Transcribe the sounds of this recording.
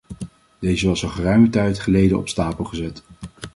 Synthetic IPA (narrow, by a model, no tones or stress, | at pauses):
d̥ejzəʋɑsəχərœɥmətɛjtχəlejdənɔ̰pstaːpəlˠχəzɛt